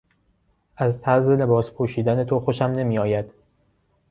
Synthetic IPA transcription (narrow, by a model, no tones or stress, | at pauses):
ʔæzt̪ʰæɾze̞le̞bɒːspʰoʃiːd̪æne̞t̪ʰoxo̞ʃæmne̞miːɒːjæd̪̥